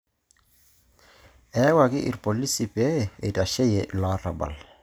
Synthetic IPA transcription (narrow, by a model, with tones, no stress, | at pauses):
ɛ˨˦wa˨kɪ˦ʔḭ˨ɾpɔ˨li˦si˨pɛ˦˨ḛ˨ta˨ʃɛ˦jɛ˨ʔla˨˦ra̰˨ba̰˨l